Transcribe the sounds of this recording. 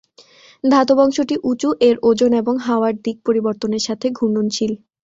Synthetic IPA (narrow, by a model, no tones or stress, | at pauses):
d̪ʱat̪obɔŋʃoʈiʔut͡ɕuʔeɾod͡ʑoneboŋɦaoaɾd̪ik̚poɾiboɾt̪oneɾʃat̪ʰeɡʱuɳɖont͡ɕʰil